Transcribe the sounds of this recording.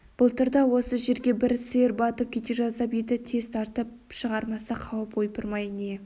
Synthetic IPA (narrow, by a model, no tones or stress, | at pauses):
b̥ʊlˠt̪ʰəɾd̪ɑwo̞səʒe̞ɾɡʲe̞bɪɾseɾbɑt̪əp̚kʲʰe̞t̪eʒɑzɑped̪ɪt̪ʰe̞z̥t̪ʰɑɾt̪əp̚ | ʃəʁɑɾmɑsɑqʰɑwəpojpəɾmɑjne